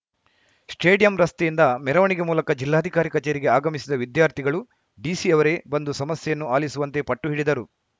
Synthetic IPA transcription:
sʈeːɖijɐmɾɐst̪ejind̪ɐmɛɾɐʋɐɳiɡe̞muːlɐkɐd͡ʒilːaːd̪ʱikaːɾikɐt͡ʃeːɾiɡe̞aːɡɐmisid̪ɐʋid̪jaːɾt̪ʰiɡɐɭu | ɖiːsiɐʋɐɾe̞bɐnd̪usɐmɐsjɐjɐnːuaːlisuʋɐnt̪e̞pɐʈːuɦiɽid̪ɐɾu

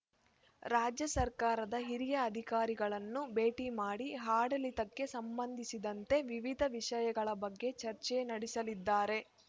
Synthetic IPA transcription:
ɾaːd͡ʒjɐsɐɾkaːɾɐd̪ɐɦiɾijɐːd̪ʱikaːɾiɡɐɭɐnːube̞ːʈimaːɽiɦaːɽɐlit̪ɐkːe̞sɐmbɐnd̪ʱisid̪ɐnt̪e̞ʋiʋid̪ʱɐʋiʂɐjɐɡɐɭɐbɐɡːe̞t͡ʃɐɾt͡ʃɛnɐɽisɐlid̪ːaːɾe̞

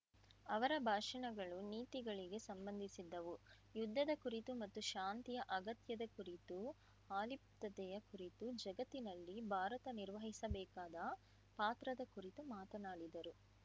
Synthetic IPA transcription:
ɐʋɐɾɐbʱaːʂɐɳɐɡɐɭuniːt̪iɡɐɭiɡe̞sɐmbɐnd̪ʱisid̪ːɐʋu | jud̪ʱːɐd̪ɐkuɾit̪umɐt̪ːuʃaːnt̪ijɐʔɐɡɐt̪jɐd̪ɐkuɾit̪u | aːlip̚t̪ɐt̪ɛjɐkuɾit̪ud͡ʒɐɡɐt̪ːinɐlːibʱaːɾɐt̪ɐniɾʋɐɦisɐbɛːkaːd̪ɐ | paːt̪ɾɐd̪ɐkuɾit̪umaːt̪ɐnaːɽid̪ɐɾu

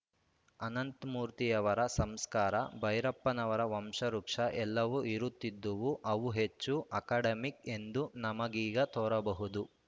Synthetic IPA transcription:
ɐnɐnt̪muːɾt̪ijɐʋɐɾɐsɐmskaːɾɐbɐjɾɐpːɐnɐʋɐɾɐʋɐmʂɐɾukʂɐʔɛlːɐʋuʔiɾut̪ːid̪ːɐʋuʔɐʋuɦet͡ʃːuʔɐkaːɖɐmike̞nd̪unɐmɐɡiːɡɐt̪ɔːɾɐbɐɦud̪u

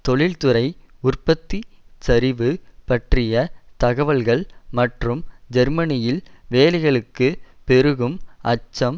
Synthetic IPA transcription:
t̪ɔɭɪlt̪ɯɾɐɪʊrpɐt̪ːisɐɾɪʋɯpɐʈrɪjɐt̪ɐɣɐʋɐɭɣɐɭmɐʈrɯmd͡ʒɐɾmɐnɪjɪlʋeːlɐɪɣɐɭɯkːɯpɛɾɯɣɯmʔɐt͡ʃːɐm

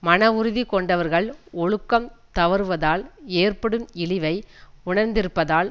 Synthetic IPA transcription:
mɐnɐʊɾɯðikɔɳɖɐʋɐɾɣɐɭɔɻɯkːɐmt̪ɐʋɐɾɯʋɐðaːleːrpɐɽɯmɪɭɪʋɐɪʊɳɐɾnd̪ɪɾɯpːɐðaːl

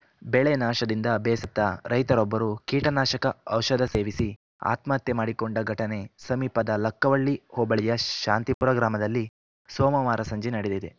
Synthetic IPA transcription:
beɭenaːʃɐd̪ind̪ɐːbɛːsɐt̪ːɐɾɐjt̪ɐɾɔbːɐɾukiːʈɐnaːʃɐkɐɐwʃɐd̪ɐse̞ːʋisi | a̰ːt̪maːt̪jɐmaːɽikoɳɖɐɡʱɐʈɐne̞sɐmiːpɐd̪ɐlɐkːɐʋɐɭːihɔːbɐɭijɐʃaːnt̪ipuɾɐɡɾaːmɐd̪ɐlːi | sɔːmɐʋaːɾʔɐsɐɲd͡ʒinɐɽed̪id̪e

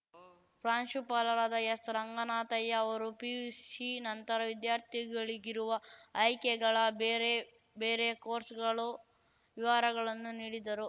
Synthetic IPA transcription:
pɾaːnʃupaːlɐɾaːd̪ɐjɐsɾɐŋɡɐnaːt̪ɐjːɐːʋɐɾupiːsinɐnt̪ɐɾɐʋid̪jaːɾt̪ʰiɡɐɭiɡiɾuʋɐːjkɛɡɐɭɐbeɾe | beːɾekoːɾsɡɐɭu | ʋiʋaːɾɐɡɐɭɐnːuniːɽid̪ɐɾu

